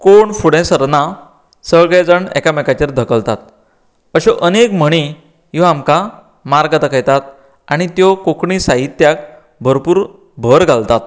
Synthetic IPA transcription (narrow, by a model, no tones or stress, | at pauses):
koɳfuɽɛ̃səɾna | səɭɡed͡zəɳɛ̰kamɛkat͡ɕeɾd̪ʱəkəlt̪at̪ | əɕɔʔənekm̤əɽ̃i | jɔamka | maɾɡat̪əkʰəjt̪at̪̚ | aɽ̃it̪jɔkokɳisaɦit̪ːjak̚ | bʱəɾpuːɾ | bʱəɾɡʱalt̪at̪̚